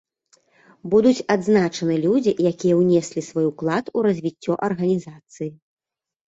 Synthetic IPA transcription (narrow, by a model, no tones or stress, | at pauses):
bud̪ut͡sʲad̪znat͡ʂɐnɨlʲud͡zʲijakʲijɛwnʲɛsʲlʲisvɔjuklˠat̪uɾɐzʲvʲit͡sʲːɔʔɐrɣɐnʲizat̪sɨji